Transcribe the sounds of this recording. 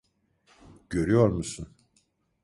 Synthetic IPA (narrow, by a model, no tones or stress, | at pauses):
ɟ̥øɾyjoɾmusun